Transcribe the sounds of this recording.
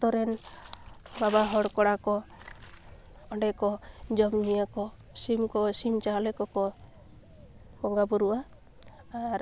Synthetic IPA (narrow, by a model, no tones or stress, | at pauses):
t̪ɔɾɛn | babaɦɔɽkɔɽakɔ | ɔɳɖɛkɔd͡ʒɔmɲijakɔ | simkɔsimt͡ʃalɛkɔkɔ | bɔŋɡabuɾuʔaː | ɾ